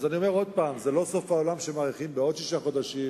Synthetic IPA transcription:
zanio̞me̞ʁo̞d̪̚paːmzelo̞so̞faolamʃe̞maːʁiχimbeo̞d̪ʃiʃaχo̞d̪aʃi

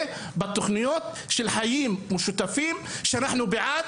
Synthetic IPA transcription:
bɪt̪ːʊxnɪjoːt̪̚ | ʃilħajiːmwʊʃut̪afiːmʃanaħnʊbɪʕaː

